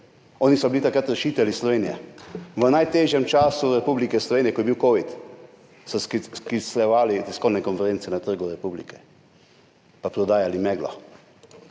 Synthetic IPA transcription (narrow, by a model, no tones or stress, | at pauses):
ɔːnisɔbilit̪akɾat̪ɾɛʃiːt̪ɛlislɔʋeːnijɛ̰ʋənajt̪eːʒjɛmt͡ʃaːsuɾɛpublikɛslɔʋeːnijɛkɔjɛbiwkoːʋit̪ | sɔsskislɛʋaːlit̪ɛskɔwnɛkɔnfɛɾeːntsɛnat̪əɾɡuɾɛpublḭkɛ̥ | papɾɔd̪aːjalimɛːɡlɔ̰